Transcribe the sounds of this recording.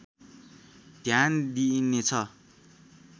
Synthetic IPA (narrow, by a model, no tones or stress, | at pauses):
d̪ʱjand̪inet͡sʰʌ